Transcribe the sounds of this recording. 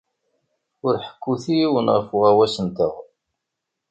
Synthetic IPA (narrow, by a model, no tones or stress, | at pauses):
ʊɾħə̥kːuθijiwənʁəfʊʁæwæsənt̪əʁ